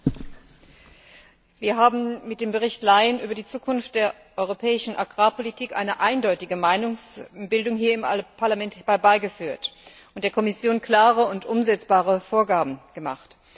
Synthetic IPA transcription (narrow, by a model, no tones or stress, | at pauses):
viːɐɦaːbm̩mɪt̚d̥eːmbəʁ̞ɪçtlaɪənʔyːbɐdiːt͡suːkʰʊnft̚d̥eːɐ | ʔɔʏʁopʰɛːɪʃn̩ʔaɡʁaːpʰolitʰiːkʔa̰ɪnəʔaɪndɔʏtɪɡəmaɪnʊŋsb̥ɪldʊŋɦiːɐɪmpʰaɐlamɛntb̥aɪbaɪɡəfyːɐtʔʊntd̥eɐkʰɔmɪsjoːnkl̥aːʁəʊntʔʊmzɛt͡sb̥aːʁəfoːɐɡaːbm̩ɡ̥əma̰χt